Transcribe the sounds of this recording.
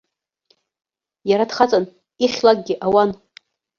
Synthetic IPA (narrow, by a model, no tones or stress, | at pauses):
jaɾadχat͡sʼan | iχʲlak̚ʼɡʲɪʔawan